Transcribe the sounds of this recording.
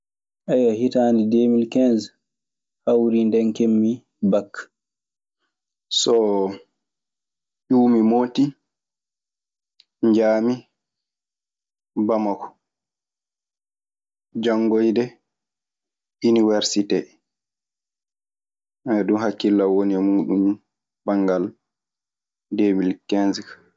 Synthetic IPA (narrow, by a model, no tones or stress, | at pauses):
ʔajahitaːndidemilkɛnz | hawɾindɛnkemːi | bakː | sɔ | ʔuːmimoːti | ɲd͡ʒaːmi | bamakɔ̥ | d͡ʒaŋːɡojdɛ | uniwɛɾsitɛ | ɛdumhakːilːawoniɛmuːɗum | baŋɡal | demilkːɛnzikḁ